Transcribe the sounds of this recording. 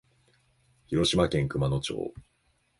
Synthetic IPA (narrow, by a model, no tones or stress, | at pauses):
çiɾo̞ɕimakẽ̞ŋkɯ̟mano̞t͡ɕo̰ː